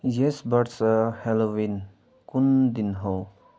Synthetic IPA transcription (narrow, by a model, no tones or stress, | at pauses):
jesbəɾsəhelowin | kund̪inɦow